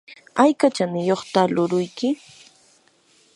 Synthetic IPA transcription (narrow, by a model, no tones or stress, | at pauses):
ajkat͡ʃanɪjoχt̪alʊɾʊjkɪ